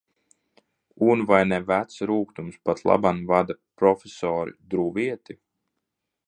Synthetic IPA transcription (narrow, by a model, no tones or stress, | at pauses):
unvajnɛvæt̪sɾuːkt̪umspat̪lˠa̰banvad̪apɾɔfʲesɔːɾḭd̪ɾuviɛt̪i